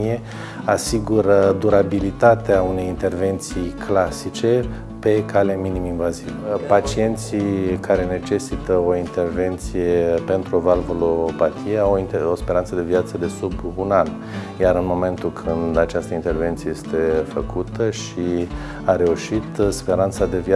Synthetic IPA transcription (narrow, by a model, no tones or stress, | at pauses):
ije | asiɡuɾəd̪uɾabilit̪at̪eaune̞jint̪e̞rve̞nt̪sijkʰlasit͡ʃe̞ | pe̞kale̞miniminvazivpat͡ʃie̞nt̪sikaɾe̞ne̞t͡ʃe̞sit̪əo̞int̪e̞rve̞nt̪sije̞pe̞nt̪ɾuovalvolo̞pat̪ijeawinospe̞ɾant̪səd̪e̞viat̪səd̪e̞subunan | jaɾɨnmo̞me̞nt̪ulkʰɨnd̪at͡ʃast̪əint̪e̞rve̞nt̪sijejest̪e̞fəkut̪əʃi | aɾe̞uʃit̪spe̞ɾant̪sad̪e̞vja